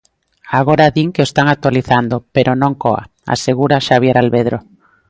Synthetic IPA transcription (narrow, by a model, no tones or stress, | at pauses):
aɣ̞oɾaðiŋkeost̪aŋak̚t̪waliθand̪opeɾʔonõŋkoa̰ | a̰seɣ̞uɾaʃaβ̞jeɾalβeð̞ɾo